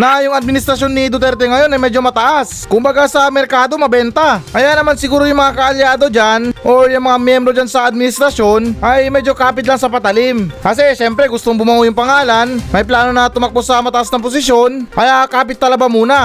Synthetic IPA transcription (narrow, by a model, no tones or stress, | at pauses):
nɐjʊŋɐd̪̚mɪnɪst̪ɾɐsjo̞nɪd̪ʊt̪̬ɛɾt̪ɛŋɐjo̞nɐjmɛd͡ʒo̞mɐt̪ɐʔas | kʊmbɐɡasɐmɛɾkaːd̪o̞mɐbɛnt̪ɐkɐjanɐmansɪɡuːɾo̞jʊŋmɐŋakɐɐljaːd̪o̞d͡ʒanʔo̞jʊŋmɐŋamjɛmbɾo̞d͡ʒansɐʔɐd̪̚mɪnɪst̪ɾɐsjo̞nʔɐjmɛd͡ʒo̞kaːpɪt̪laŋsɐpɐt̪ɐlɪmkɐs̬ɛʃɛmpɾɛɡʊst̪oŋbʊmɐʔojʊŋpɐŋaːlanmɐjplaːno̞nɐt̪ʊmɐk̚posɐmɐt̪ɐʔasnɐŋpos̬ɪsjo̞nʔɐjakaːpɪt̪ːɐlɐbamuːnɐ